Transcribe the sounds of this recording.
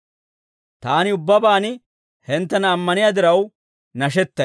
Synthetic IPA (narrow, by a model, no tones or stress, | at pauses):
t̪aːnɪʊbːɐbaːnɪ | hɛnt̪ːɐnɐːmːɐnɪjaːd̪ɪɾɐw | nɐʃɛt̪ːɐ